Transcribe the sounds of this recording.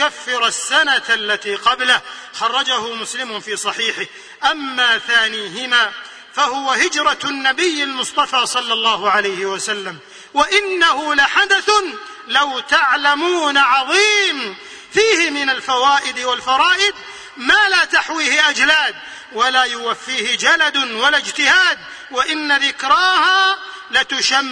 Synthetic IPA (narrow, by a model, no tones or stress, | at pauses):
kafːɪɾˤasːanaalːat̪iːqɑbla | xɑrˤːɑd͡ʒahʊmʊslɪmʊfiːsˤɑħiːħɪh | ʔamːaːθaːniːɦɪmaː | fahʊwahɪd͡ʒɾˤɑnːabɪjːɪlmʊsˤt̪ˤɑfɑːsˤɑlːɑlˤːɑːhʊʕalajhɪwasalːam | waʔɪnːahʊlaħad̪aθ | lawt̪aʕlamuːnaʕɑðˤiːm | fiːhɪmɪnalfawaːʔɪd̪walfɑɾˤɑːʔɪd̪̚ | maːlaːt̪aħwiːhɪʔad͡ʒlaːd̪̚ | walaːjʊwafːiːhɪd͡ʒalad̪walad͡ʒt̪ɪhaːd̪̚ | waʔɪnːaðɪkɾɑːha | lat̪ʊʃa